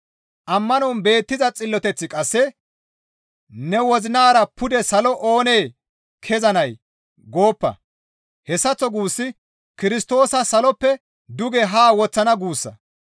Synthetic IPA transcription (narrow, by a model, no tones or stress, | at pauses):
ʔɐmːɐnɔnbe̞ːt̪ːɪzɐt͡sʼɪlːɔt̪ɛt͡sːɪkʼɐsːɛ | nɛwɔzɪnaːɾɐpʰʊd̪ɛsɐlɔʔo̞ːneː | kʰɛzɐnɐj | ɡo̞ːpːɐ̰ | hɛsːɐt͡sːɔɡuːsːɪ | kɪɾɪst̪o̞ːsɐsɐlɔpːɛ | d̪ʊɡɛɦaːwɔt͡sːɐnɐɡuːsːɐ̰